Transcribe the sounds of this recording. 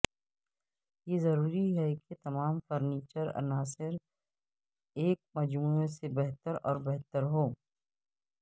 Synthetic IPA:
jezɐɾuːɾiɦɛket̪ɐmaːmfəɾniːt͡ʃəɾɐ̰naːsɪɾ | eːk̚mɐd͡ʒmuːesebɛɦt̪əɾɔ̰ːɾbɛɦt̪əɾɦoː

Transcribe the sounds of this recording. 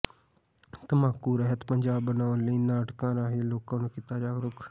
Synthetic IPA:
t̪əmaːkːuːɾəɦət̪pəɲd͡ʒaːbənaːʊnləiːnaːʈkãːɾaːɦiːloːkãːnũːkɪt̪aːd͡ʒaːɡɾʊk

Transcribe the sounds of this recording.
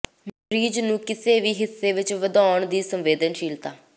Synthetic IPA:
m | ɾiːd͡ʒnũːkɪseːʋiːɦɪsːeːʋɪt͡ʃʋəd̪ɔːɳd̪iːsəmʋeːd̪ənʃiːlt̪aː

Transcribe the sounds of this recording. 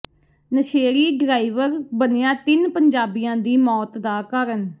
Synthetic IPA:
nəʃeːɾiːɡɾaːiːʋəɾbənejãːt̪ɪnpəɲd͡ʒaːbijãːd̪iːmɔːt̪d̪aːkaːɾən

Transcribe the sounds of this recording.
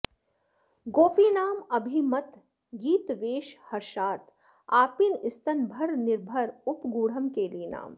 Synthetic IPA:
ɡoːpiːnaːmɐbʱimɐt̪ | ɡiːt̪ʋeːʃhɐɾʃaːt̪ | aːpinɪst̪ənbʱəɾnɪɾbʱəɾʊpɡuːɽ̤əmkeliena̰ːm

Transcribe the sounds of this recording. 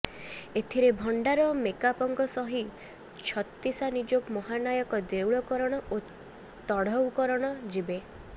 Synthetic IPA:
et̪ʰiɾebʱɔɳɖaɾɔmekapɔŋɡɔsɔɦi | t͡ʃʰɔt̪ːisanid͡ʒokmɔɦanajɔkɔd̪ewɭɔkɔɾɔɽ̃ɔo | t̪ɔɽ̤ɔwkɔɾɔɽ̃ɔd͡ʒibe

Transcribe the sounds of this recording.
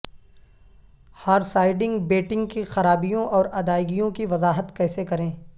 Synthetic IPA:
hɐɾsaːɪɖɪ̃ŋɡbeːʈɪ̃ŋɡkixɐɾaːbijõʔɔːɾɐd̪aːɪɡijõkiʋɐzaːɦət̪kɛːsekɐɾẽː

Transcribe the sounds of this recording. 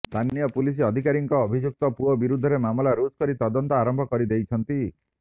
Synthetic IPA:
st̪ʰanijɔpulis̬iɔd̪ʱikaɾiŋkɔːbʱid͡ʒuk̚t̪ɔpuɔbiɾud̪ʱːɔɾemamɔlaɾud͡ʒkɔɾit̪ɔd̪ɔnt̪ɔaɾɔmbʱɔkɔɾid̪ejt͡ʃʰɔnt̪i

